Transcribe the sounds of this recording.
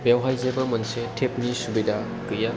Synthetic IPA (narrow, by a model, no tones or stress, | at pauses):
bewɦajzebɐmɐnsetʰep̚nisubida | kɯja